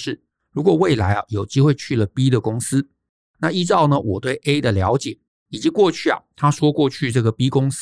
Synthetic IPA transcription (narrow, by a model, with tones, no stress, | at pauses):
ʂɻ̩˥˩ | ɻu˧˥kwɔ˨˩we˥˩ɪla˧˥ɪɐ˨jo˨˩ʊt͡ɕi˥xwe˥˧ɪt͡ɕʰy˥˩lə˩pi˥d̪ə˨kʊ˥ŋsɹ̩˥ | na˥˧i˥ʈ͡ʂɑ˥˩ʊnə˨wʔɔ˨˩t̪we˥˩ɪʔe˥ɪd̪ə˨ljɑ̰˧˥ʊt͡ɕjɛ˨˩˦ | i˨˩t͡ɕi˧˦˥kwɔ˥˧t͡ɕʰy˥˩ɐ̰˨˩t̪ʰa˥ʂwɔ˥kwɔ˥˧t͡ɕʰy˥˧ʈ͡ʂɤ˥˩ɡə˩pi˥kʊ˥ŋs